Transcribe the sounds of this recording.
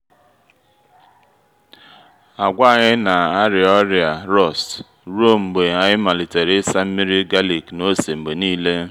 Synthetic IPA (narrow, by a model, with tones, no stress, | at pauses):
a˨ɡʷa˦a˨ɲɪ˦na˨a˦ɾɪ˨ɔ˦ɾja˨ɾɔ˦˨st | ɾo˦˨m̩˨ɡ͡be˨a˦˨ɲɪ˦ma˨lɪ˨te˨ɾɪ˦sa˦m̩˦mi˦ɾi˦ɡa˦li˨kno˦se˨ŋ͡m̩˨ɡ͡be˨niː˦le˦